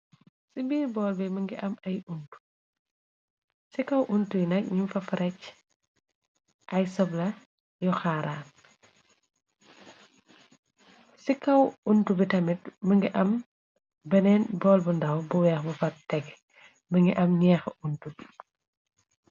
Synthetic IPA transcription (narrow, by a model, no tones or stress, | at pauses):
sibiːɾbɔːlbɛmɐŋɡiʔɐmɐjuntu̥ | sikɐwʔuntujinɐk̚ɲumfɐfɾʔɛc | ʔɐjsɔblɐ | jɔxaːɾaː | sikɐwuntubitɐmit̚mɐŋɡiʔɐm | bɐnɛːnbɔːlbundɐwbuwɛːxbɐfɐttːɛɡ | bɐŋɡiʔɐmɲɛːxʔuntubi